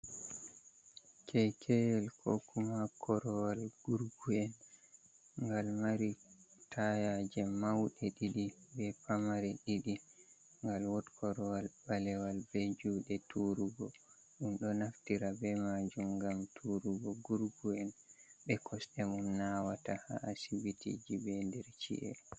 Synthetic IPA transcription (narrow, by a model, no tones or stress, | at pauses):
kʰɛkʰɛjɛlkʰokumakʰɔɾɔwalɡ̥uɾɡuɛn | ŋɡalmaɾitʰajad͡ʒɛmawɗɛɗiɗibɛpamaɾɛɗiɗi | ŋɡalwɔtkʰɔɾɔwalbalɛwalbɛd͡ʒuɗɛtʰuɾuɡɔ | ɗumɗɔnaftiɾabɛmad͡ʒumɡamtʰuɾuɡɔɡuɾɡuɛnbɛkʰɔsɗɛmunnawataha̰ʔasibitʰḭd͡ʒibɛndɛɾt͡ʃḭʔɛ̰